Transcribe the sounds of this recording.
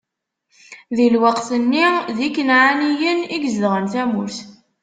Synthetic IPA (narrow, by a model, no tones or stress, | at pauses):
ðilwəqθənːiðikːənʕanijəniɡzðʁənθæmuɾθ